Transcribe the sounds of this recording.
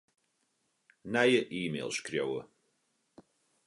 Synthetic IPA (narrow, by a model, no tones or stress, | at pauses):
najəʔiːmḛːlˠskɾjowə̰